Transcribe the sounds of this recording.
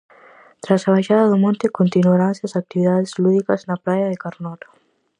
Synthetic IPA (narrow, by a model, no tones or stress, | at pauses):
t̪ɾasaβaʃaðaðumõnt̪ekont̪inwaɾanseasak̚t̪iβiðaðezluðikaznaplajaðekaɾnɔt̪ḁ